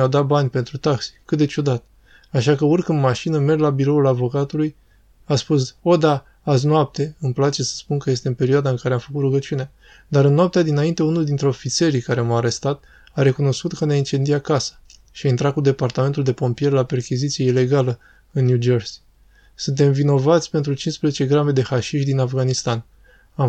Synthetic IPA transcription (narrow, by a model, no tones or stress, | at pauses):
awd̪at̪̚banʲpe̞nt̪ɾut̪aksi̥kɨt̪̚d̪e̞t͡ʃud̪at̪ | aʃakəorkɨnmaʃinəme̞rʲlabiɾo̞ulavo̞kat̪uluj | aspuso̞d̪aː | s̬noap̚t̪e̞ɨmplat͡ʃe̞sə̥spunkəje̞st̪eɨnpe̞ɾioad̪aɨŋkaɾe̞amfəkut̪ruɡət͡ʃunea | d̪aɾɨnnːoap̚t̪ead̪inaint̪e̞unuld̪int̪ɾeo̞fit̪se̞ɾikaɾe̞maːɾe̞st̪at̪ | aɾe̞kuno̞skut̪kəneaint͡ʃe̞nd̪iakasə̥ | ʃiaint̪ɾakud̪e̞part̪ame̞nt̪uld̪e̞po̞mpie̞rlape̞rkʲizit̪sije̞ile̞ɡalə | ɨnːjud͡ʒo̞rs | sunt̪̬e̞mvino̞vat̪sʲpe̞nt̪ɾut͡ʃinspɾezet͡ʃe̞ɡɾame̞d̪e̞xaʃiʃd̪inafɡanist̪an | a